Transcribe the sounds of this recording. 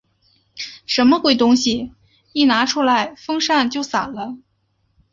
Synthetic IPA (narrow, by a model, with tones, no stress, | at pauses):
ʂə˧˥nmə˧xwe˥˩ɪt̪ʊ˥ŋɕi˨ | i˥˩na˧˥ʈ͡ʂʰu˥la˧˥ɪfɤ˥ŋʂa˥˧nt͡ɕjo˥˩ʊsa˨˩lə˦